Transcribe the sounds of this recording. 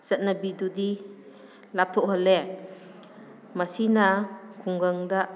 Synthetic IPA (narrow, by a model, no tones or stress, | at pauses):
z̥at̚nabidudi | lap̚t̪ʰɔʔɦɔlɛ | masinakʰuŋɡaŋda